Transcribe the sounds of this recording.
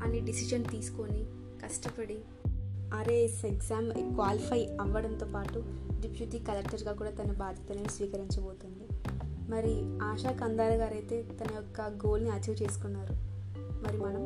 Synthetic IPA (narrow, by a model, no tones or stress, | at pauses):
ɐnːiɖisid͡ʒɐnt̪iːsu̥koni | kɐʂʈɐpɐɽi | ɐɾeːseɡsaːmkʋaːlipʰɐjɐʋːɐɽɐnt̪o̞ːpaːʈuɖipʰjuʈiːkɐlek̚ʈɐɾɡaːkuːɽaːt̪ɐnɐbaːd̪ʱjɐt̪ɐleːnisʋiːkɐɾiɲt͡ʃɐboːt̪und̪imɐɾiaːʃaːkɐnd̪aːɾɐɡaːɾɐjt̪e̞ːt̪ɐnɐjɔkːɐɡoːlniɐt͡ʃɐt͡ʃe̞ːsu̥kunːaːɾu | mɐɾimɐnɐm